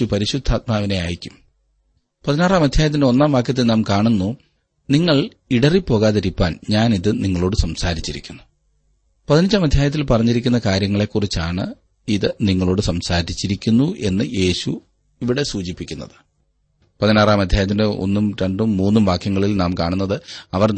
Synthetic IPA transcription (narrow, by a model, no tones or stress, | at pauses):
upɐɾiɕud̪ʱaːt̪̚maːʋine̞aːjikʲːum | pɐðinaːraːmɐd̪ʱjaːjɐt̪̬ːindeo̞nːaːmʋaːkjɐt̪̬ːilnaːmkaːɳunːu | niŋːɐɭ | iɽɐripːo̞ːɣaːðɐɾipːaːnɲaːniðɨniŋːɐɭo̞ːɽɨsɐmsaːɾit͡ɕːiɾḭkʲːunːu | pɐðiniɲt͡ɕːaːmɐd̪ʱjaːjɐt̪ːilpɐrɐɲːiɾikʲːunːɐkaːɾjɐŋːɐɭe̞kːurit͡ɕːaːɳɨ̰ | iðɨniŋːɐɭo̞ːɽɨsɐmsaːɾit͡ɕːiɾikʲːunːuʔe̞nːɨje̞ːɕu | iʋiɽe̞suːt͡ɕipːikʲːunːɐðɨ̥ | pɐðinaːraːmɐd̪ʱjaːjɐt̪̬indɨʔo̞̰nːumɾeɳɖumːuːnːumʋaːkʰjɐŋːɐɭilnaːmkaːɳunːɐðɨɐʋɐr